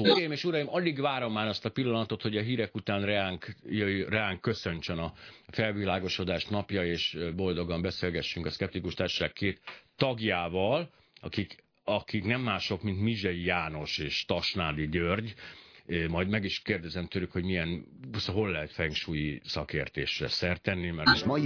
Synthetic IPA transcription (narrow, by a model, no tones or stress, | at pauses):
ɾjimeːʃuɾɒjimɒliɡʋaːɾo̞mːaːnɒst̪ɒpilːɒnɒt̪o̞t̪ho̞ɟɒɦiːɾɛkut̪aːnrɛaːŋkjrɛaːŋkːø̞sø̞ɲt͡ʃønɒfɛlvilaːɡo̞ʃo̞d̪aːʃt̪nɒpjɒeːʃbo̞ld̪o̞ɡɒmbɛseːlɡɛʃːyŋkɒskɛp̚t̪ikuʃt̪aːrʃo̥ʃaːkkːeːt̪ːɒɡjaːvɒl | ɒkik | ɒkiknɛmːaːʃo̞kmint̪miʒɛjijaːno̞ʃeːʃt̪ɒʃnaːd̪iɟørɟ | mɒjd̪mɛɡiʃkeːrd̪ɛzɛmt̪ølykhoɟmijɛnsɦo̞lːɛɦɛt̪fɛŋkʃuːjisɒkeːrt̪ḛːʃrɛ̰sɛrt̪ɛnːimɛrʃmɒ